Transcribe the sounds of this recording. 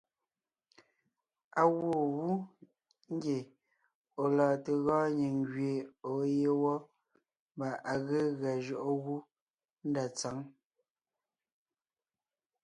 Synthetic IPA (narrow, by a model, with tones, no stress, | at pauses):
a˨ɣwo˦˨wu˦ | ŋ̩˦ɡje˨ | o˨lɔː˨te˨ɣɔ̃ː˦ɲi˨ŋɡɥe˨o˨˦je˦wɔ˦ | mba˨ʔa˨ɣe˦ɣa˨ʒɔ˨ʔo˦ɣu˦ | n̩˦da˨t͡sa˨˦ŋ